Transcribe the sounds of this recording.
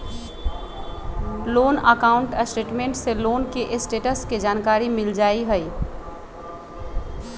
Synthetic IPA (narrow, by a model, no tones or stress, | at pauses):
loːnəkaːʊ̃ɳʈsʈeːʈmẽːɳʈseloːnkeʔɪsʈeːʈəskid͡ʒaːnkaːɾimɪld͡ʒaːiɦəi